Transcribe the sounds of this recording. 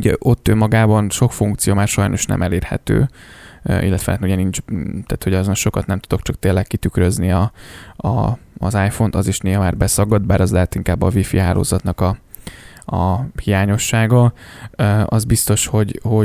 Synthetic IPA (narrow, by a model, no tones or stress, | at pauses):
uɟɛʔot̪ːømːɒɡaːbɒnʃo̞kfuŋkt̪sijomaːrʃɒjno̞ʃnɛ̰mʔɛleːrhɛ̰t̪ø̰ː | ʔḭlːɛt̪ʋɛna̰t̪nuɟɛnind͡ʒt̪aːt̪hoɟɒzonʃo̞kɒt̪nɛmt̪u̥d̪o̞kt͡ʃɒk̚t̪eːlːɛkːit̪ykrøzniɒɒ̰ːzaːjfo̞nt̪ɒziʃneːɦɒmaːrbɛsɒɡɒd̪̚baːɾɒzlɛɦaːt̪iŋkaːbːɒvifḭɦa̰ːlʔo̰ːzɒt̪nɒkɒ | ɒ̰hijaːɲo̞ʃːaːɡɒ | ɒzbist̪o̞ʃho̞ɟho̞